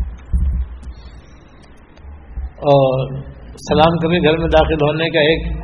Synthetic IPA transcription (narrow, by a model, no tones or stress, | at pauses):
ɔː | sɐlaːmkɐɾẽɡʱɐɾmẽd̪aːxɪlɦoːnekaeːk